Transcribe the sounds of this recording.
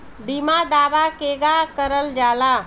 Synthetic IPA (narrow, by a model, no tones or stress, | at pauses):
bimad̪aːbakeːɡakəɾəld͡ʒaːlaː